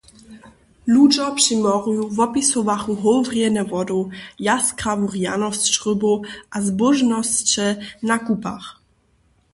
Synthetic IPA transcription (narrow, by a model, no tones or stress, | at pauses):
lud͡ʒɔpʂimɔʁujuvɔpisɔvaχuɦɔwvʁjɛnɛvɔd̪ɔjaskɾavuʁja̰nɔsʃʁʏbɔʔazbɔʒnɔst͡ɕɛnakupa̰x